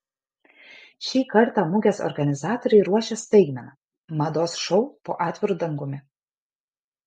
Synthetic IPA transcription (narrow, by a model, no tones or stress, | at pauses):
ʃʲiːkɐɾt̪ɑmʊɡʲɛsɔ̰ɾɡɐnʲɪzɑːt̪oːɾʲɛɪɾuɔʃʲɛst̪ɐɪɡmʲɛnɐ | mɐd̪oːsʃɔʊpoːʔɑːt̪ʲʋʲɪɾuːd̪ɐŋɡʊmʲɪ